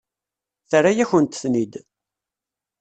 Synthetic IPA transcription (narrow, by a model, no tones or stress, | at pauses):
θəɾajæçənt̪θnid̪